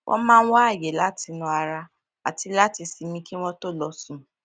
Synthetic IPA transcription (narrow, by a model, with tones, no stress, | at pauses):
wʔɔ̰̃˦mãː˦˧n̩˦wa˦a˦˨je˨la˦ti˧nũ˧a˧ɾa˧ | a˨ti˧la˦ti˧si˨˧mĩ˧ki˦w̃ɔ̃˦to˦lɔ˧sũ˦